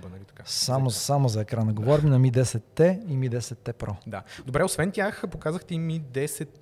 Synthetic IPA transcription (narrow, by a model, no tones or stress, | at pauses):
nit̪samosamozɐɛkɾanəɡovɔɾʲminɐmid̪ɛsɛt̪ːɛimid̪ɛsɛt̪ːɛpɾɔd̪ad̪obɾɛosvɛnt̪ʲjaxpokazəxt̪ɛimid̪ɛsɛt̪̚